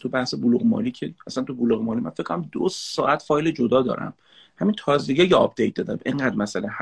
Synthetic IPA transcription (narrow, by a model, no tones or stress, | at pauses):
t̪ʰubæhsebuluɣemɒ̰ːliːcʰeæsænt̪ubuluɣemɒːliːmæ̰nfecʰːkʰːoɾæmd̪osɒːʔæt̪fɒːjled͡ʒod̪ɒːd̪ɒ̰ːɾæ̰m | hæmint̪ʰɒːzd̪iɟejeɒb̚d̪ejt̪̚d̪ɒːd̪æmʔeŋɢæːd̪mæsæleh